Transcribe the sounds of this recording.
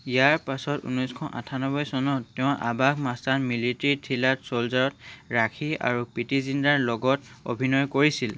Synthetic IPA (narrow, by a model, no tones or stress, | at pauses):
ijaɹpasɔtṵnɔjskʰɔʔa̰tʰanɔbɔjsɔnɔɛʊ̃ʔa̰bakmastanmilitɹitʰilatsolzaɹɔtɹakʰia̰ɹupitizindaɹlɔɡɔt | o̰bʱinɔjkoɹisil